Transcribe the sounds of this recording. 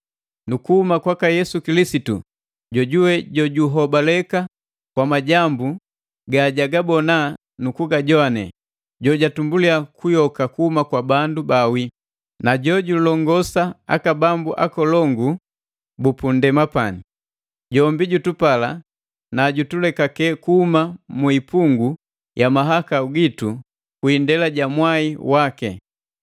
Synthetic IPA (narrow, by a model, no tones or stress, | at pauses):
nukuhumakwakajɛsukilisitṵ | ɟɔɟuwɛɟɔɟuɦɔbalɛka | kwamaɟambu | ɡaɟaɡabɔna | nukuɡaɟɔanɛ̰ | ɟɔɟatumbuliakujɔkakuhumakwabandubawi | naɟɔɟulɔŋɡɔsaa̰kabambuʔa̰kɔlɔŋɡu | bupundɛmapani | ɟɔmbiɟutupala | naɟutulɛkakɛkuhumamuipuŋɡu | jamaɦakauɡitu | kwindɛlaɟamwaiwakɛ̰